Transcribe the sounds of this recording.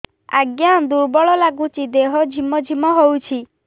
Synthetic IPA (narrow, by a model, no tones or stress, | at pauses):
a̰ɡjad̪uɾbɔɭɔlaɡut͡ʃid̪eɦɔd͡ʒʱimɔd͡ʒʱimɔɦowt͡ʃʰi